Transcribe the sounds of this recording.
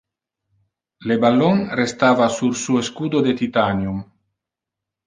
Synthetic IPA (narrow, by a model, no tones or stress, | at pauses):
lebalonrest̪aːvasuɾsueskuːd̪od̪et̪it̪anjum